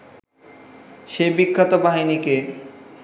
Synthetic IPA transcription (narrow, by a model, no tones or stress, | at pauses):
ʃebikʰːat̪obaɦinike